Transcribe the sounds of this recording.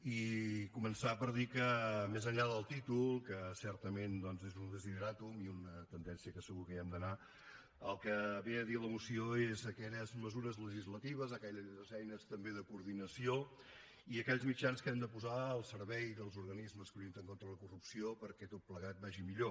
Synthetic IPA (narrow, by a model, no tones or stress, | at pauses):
ikumənsapəɾðikəmezəɲʎaðəlˠt̪it̪ulˠkəsɛɾt̪əmend̪ɔnzezund̪əziðəɾat̪umiunət̪ənd̪ɛnsiəkəsəɣukəiɛmd̪əna | əlˠkəβeəðiləmusioezəkɛʎəzməzuɾəzləʒizlət̪iβ̞əzəkɛʎzzɛjnəst̪əmbeðəkuːɾðinəsio | iəkɛʎzmid͡ʒanskɛmd̪əpuzaəlˠsəɾβɛjðəlˠzuɾɣənizməskəɾint̪əŋkont̪ɾələkurupsiopəɾkɛt̪ot̪̚pləɣat̪̚baʒimiʎo